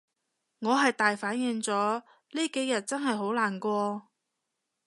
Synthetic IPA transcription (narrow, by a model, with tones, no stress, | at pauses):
ŋɔː˨˧ɦɐ˨jt̪aː˨jfaː˨˥njɪ˨˧ŋt͡sɔː˨˥ | liː˥ke˨˥jɐ˨t̚t͡sɐ˥nɦɐ˨jɦo˨˥wlaː˨˩nkʷɔː˧